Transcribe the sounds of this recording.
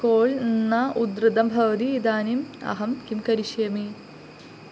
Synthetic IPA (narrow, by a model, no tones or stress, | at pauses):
koːɭnːɐʔud̪ɾɨd̪ɐmbʱɐʋɐd̪iːd̪aːnimɐ̰ɦɐmkimkɐɾiʂɐjmi